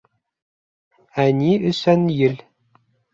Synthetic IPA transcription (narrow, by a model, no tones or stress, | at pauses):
ænʲiɵ̆sænjɘ̆lʲ